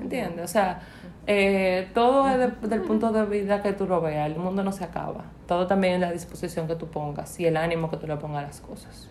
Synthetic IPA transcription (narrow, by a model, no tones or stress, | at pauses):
ent̪jend̪eosea | et̪oðoeðeðelpunt̪oðeβiðaket̪uroβeaelmũnd̪onoseaka̰βa̰ | t̪oðot̪ambjeŋelaðisposisjo̞ŋket̪upoŋɡa̰sielanĩmoket̪ulopoŋɡalaskosḁs